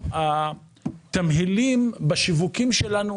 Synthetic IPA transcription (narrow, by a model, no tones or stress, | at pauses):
a | t̪amɦilimbaʃivukimʃelanu